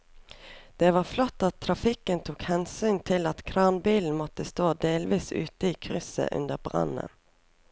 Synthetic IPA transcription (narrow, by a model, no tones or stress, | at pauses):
d̪̥ɛʋɑːflɔt̪ːɑt̪ʰːɾɑfɪkənt̪ʰuːkhɛnsyːnt̪ʰɪlɑt̪kʰɾɑːnbiːln̩mɔt̪əst̪oːd̪eːlʋiːsʉ̰ːt̪əiːkʰɾʏsə̰ʔʉ̰nd̪əbʁɑ̰nə̰